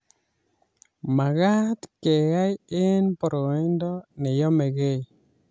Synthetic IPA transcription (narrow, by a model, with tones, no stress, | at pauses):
ma˨ɣa˦t̪ke˨ja˦jɪ˦npɔ˨ɾo˨i˦ndɔ˦nɪ˨jɔ˦me˨ɣe˦